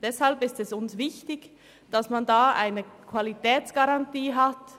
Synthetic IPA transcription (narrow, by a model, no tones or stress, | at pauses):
d̥ɛshalbɪstɛsʊnsvɪçtɪç | d̥asmandaːʔa̰ɪnəkʰv̥alitɛːt͡sɡ̥aʁantiːɦat